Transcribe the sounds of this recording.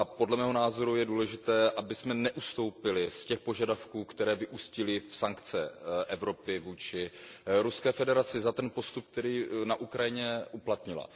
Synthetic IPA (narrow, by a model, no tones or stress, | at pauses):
apo̞dlɛmɛːɦo̞naːzo̞ɾujɛduːlɛʒɪt̪ɛːʔabɪsmɛnɛʔust̪o̞wpɪlɪscɛxpoʒadafkuːkt̪ɛɾɛːvɪʔuscɪlɪfsaŋkt͡sɛ̰ʔɛvɾo̞pɪvuːt͡ʃɪɾuskɛːfɛdɛɾat͡sɪzat̪ɛnpo̞st̪up̚k̚t̪ɛɾiːnaʔukɾajɪɲɛʔuplat̪ɲɪla̰